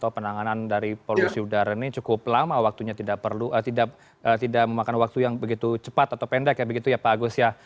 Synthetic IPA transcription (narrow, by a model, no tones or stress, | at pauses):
t̪aupənaŋanandaɾipolusiudaɾanit͡ʃukʊplamawak̚t̪uɲat̪idaʔ̚pərluʔət̪idaʔ | ət̪idaʔ̚məmakanwak̚t̪ujaŋbəɡit̪ut͡ʃəpat̪at̪awpɛndɛkjabəɡit̪ujapaːɡusja